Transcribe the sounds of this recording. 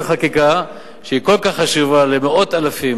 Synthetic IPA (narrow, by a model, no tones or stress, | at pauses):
χakika | ʃeiko̞lkaχːaʃuvalemeo̞t̪alafim